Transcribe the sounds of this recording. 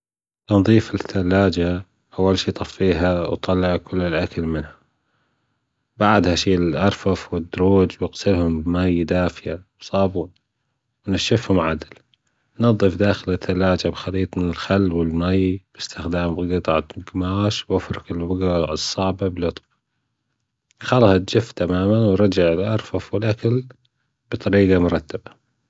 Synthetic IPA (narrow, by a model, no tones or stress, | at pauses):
nðˤiːfɪθːalːaːd͡ʒa | ʔawːalʃiːt̪ˤɑfːiːɦawt̪ˤɑlːɪʕkʊlːɪlʔakalmɪnha | baʕd̪haʃiːʔɑɾˤfɑfwɪd̪ːʊɾuːd͡ʒwɪqsɪlhʊmbmajd̪aːfɪjawsˤɑːbu | wnaʃːɪfhʊmʕad̪ɪl | nɑðˤːɨfd̪aːxɪlɪt̪ʰːalaːd͡ʒabxɑliːt̪ˤmɪnɪlxalːwɪlmajb̥ɪst̪ɪxd̪aːmbɪɡɨt̪ˤʕaɡmaːʃwʔafɾˤɪkɪlbɪɡɑʕɨsˤːɑʕbablʊt̪ˤb | xɑlht̪d͡ʒɪft̪amaːmanwɾˤɑd͡ʒaʕɪlʔɑɾˤfɑfwɪlʔakal | b̥ɨt̪ˤɑɾiːɡɑmʊɾˤɑt̪ːaba